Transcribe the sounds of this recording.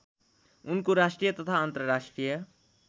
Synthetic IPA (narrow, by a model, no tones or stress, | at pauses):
ʊnkoɾaːsʈɾijət̪ɐt̪ʰaːnt̪ɾəɾaːʂʈɾijə